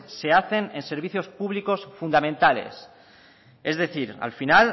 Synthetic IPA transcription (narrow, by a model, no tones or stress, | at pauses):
se̞aθe̞nense̞ɾβ̞iθjo̞spuβliko̞sfund̪amẽnt̪ale̞̰s | e̞zðe̞θiɾa̰lfinal